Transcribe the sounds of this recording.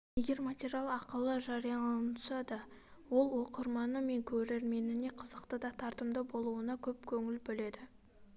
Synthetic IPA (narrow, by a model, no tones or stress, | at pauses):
je̞ɡʲe̞ɾmat̪ʲeɾijalˠɑqəlˠəʒɑɾijɑnʰʊsɑd̪ɑ | wo̞lˠwo̞qəɾmɑnəme̞ŋkʲʰɵɾeɾme̞nɪne̞qʰəzəqt̪əd̪ɑt̪ʰɑɾt̪əmd̪əbo̞lˠuənɑkʲʰɵpkʲʰɵŋɪlbɪle̞d̪ɪ